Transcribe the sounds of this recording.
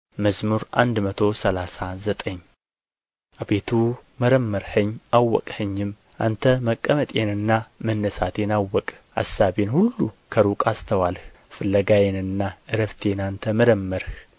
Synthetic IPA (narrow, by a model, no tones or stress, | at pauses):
məzmuɾʔa̰nd̪mət̪ʰo̞səlasazət̪ʼəɲː | ʔabet̪ʰuməɾəmːəɾhəɲːʔawːɔ̰kʼhəɲːɪm | ʔant̪ʰəməkʼːəmət̪ʼjenɨnːamənːəsat̪jenawːɔkʼ | ʔa̰sabenhulːukʰəɾukʼast̪ʰəwalh | fɨlːəɡajenɨnːaʔɨɾəft̪ʰenant̪ʰəməɾəmːəɾh